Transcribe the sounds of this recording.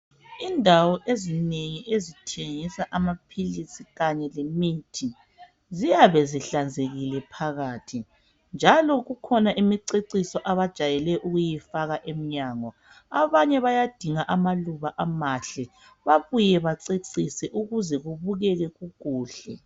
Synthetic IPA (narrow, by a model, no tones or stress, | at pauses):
indʱawɔʔezineŋiʔezitʰeŋisaʔamapʰilisiɣaɲɛlemitʰi | zijaβɛziɬand͡zʱeɣilɛpʰaɣaːtʰi | nd͡ʒʱalɔɣukʰɔnaʔimiǀeǀisɔʔaβad̥ʒ̥ʱajɛlɛʔuɣujifaɣaʔem̩ɲaːŋɔ | aβaɲɛβajad̥ʱiŋaʔamaluβaʔamaɬɛ | βaβujɛβaǀeǀisɛʔuɣuzɛɣuβuɣɛɣɛɣuɣuːɬɛ̰